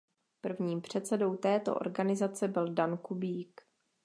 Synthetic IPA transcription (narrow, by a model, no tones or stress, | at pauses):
pr̩vɲiːmpr̝̥ɛt̪t͡sɛdo̞wt̪ɛːt̪o̞̰ʔo̰ɾɡanɪzat͡sɛbɪldankubiːk